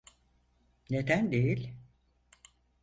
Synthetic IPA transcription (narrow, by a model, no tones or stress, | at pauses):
ne̞d̪ænd̪ejilʲ